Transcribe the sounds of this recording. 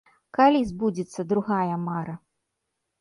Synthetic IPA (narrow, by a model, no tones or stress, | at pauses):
kalʲizbud͡zʲit̪sːɐd̪ɾuɣajɐmaɾɐ